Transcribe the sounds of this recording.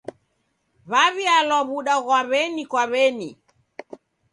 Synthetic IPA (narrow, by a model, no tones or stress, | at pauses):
βaβialwaβuɗaɣwaβɛnikwaβɛni